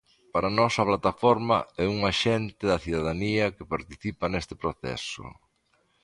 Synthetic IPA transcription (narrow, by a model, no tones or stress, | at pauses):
paɾɐnɔsɐplat̪afɔɾmɐ̰ɛuŋaʃɛnt̪ɪðɐθiðaðaniɐkɪpaɾt̪iθipɐnest̪ɪpɾoθɛ̰sʊ̰